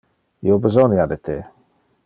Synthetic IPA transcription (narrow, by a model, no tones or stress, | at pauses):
iobezonjad̪et̪e